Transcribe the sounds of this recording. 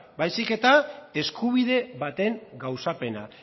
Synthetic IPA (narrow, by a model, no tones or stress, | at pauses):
bajsike̞t̪ae̞skuβ̞iðe̞βat̪e̞ŋɡawsape̞na